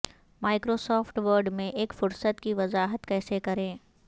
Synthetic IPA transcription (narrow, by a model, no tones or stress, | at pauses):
maːɪkɾoːsɔːfʈʋəɾɖmẽʔeːkfʊɾsət̪kiʋɐzaːɦət̪kɛːsekɐɾẽː